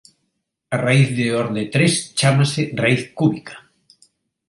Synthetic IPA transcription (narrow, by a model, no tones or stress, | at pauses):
araiθðɪɔɾðet̪ɾest͡ʃamasɪraiθkuβikʰḁ